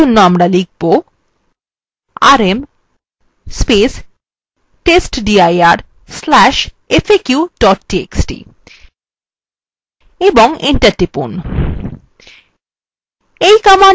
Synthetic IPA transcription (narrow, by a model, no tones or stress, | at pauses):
onːoamɾalik̚ʰbo | a̰ɾem | spes | ʈesʈɖiajaɾ | slɛʃ | efʰekjuɖɔʈʈiḛksʈḭ | eboŋiɳʈaɾʈipṵn | ejkama